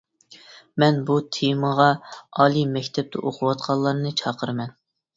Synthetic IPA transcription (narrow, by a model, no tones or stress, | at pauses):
mɛnbut̪ʰeməʁɑɑːlˠimɛkʲt̪ʰɛp̚t̪ʰɛ̰ʔoqʰʊwɑt̪qʰɑlˠːɑɾnɨt͡ʃʰɑːqʰəɾɨmɛn